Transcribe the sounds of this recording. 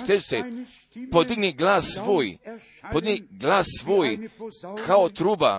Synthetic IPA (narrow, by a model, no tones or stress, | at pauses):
t̪et͡ʃt̪ɛ | pɔd̪iɡniɡlasʋoj | pɔd̪iɡniɡlasːʋoːjkʰaɔt̪ɾuːba̰